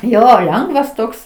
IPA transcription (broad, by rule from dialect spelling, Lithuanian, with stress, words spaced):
ˈjoː ˈlʲɛŋɡʋɐs ˈtoːks